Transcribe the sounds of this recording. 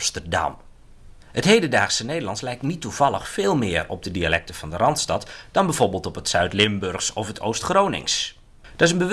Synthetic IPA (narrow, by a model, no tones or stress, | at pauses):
stərdɑ̰m | hətɦejdədaːχsənejdəlɑntslɛjktnitːuv̥ɑlˠəχfeːlˠmɪːrɔ̰b̚dədialɛk̚təvɑndərɑntstɑtd̥ɑnbɛvoɹbɪːlˠtɔpətsœɥtlɪmbørχsɔfətʰowstχroːnɪ̰ŋs | d̥ɔɪs̬ənbəʋ